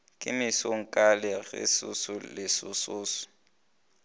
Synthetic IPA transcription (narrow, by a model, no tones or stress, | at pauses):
kʼɪmɪsoŋ̩kʼalɪɣɪ̰sʊ̰sʊlɪsʊsʊːsʊ̥